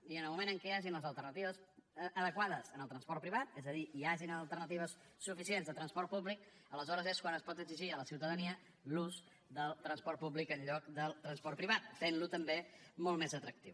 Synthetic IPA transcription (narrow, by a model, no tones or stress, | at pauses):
iənəlˠmumẽnəŋkɛaʒinləzəlˠt̪ərnət̪iβəsəðəkwaðəzənəlˠt̪ɾənspɔrt̪̚pɾiβat̪ɛzəðiiaʒinəlˠt̪ərnət̪̬iβ̞əsː | ufisienzðət̪ɾənspɔrt̪̚puβlikələzɔɾəzeskwanəspɔt̪əɡziʒiələsiwt̪əðəniə | luz | d̪əlˠt̪ɾənspɔrt̪̚puβlikəɲʎɔkd̪əlˠt̪ɾənspɔrt̪̚pɾiβat̪̚ːenlut̪əmbemɔlˠmezət̪ɾək̚t̪iw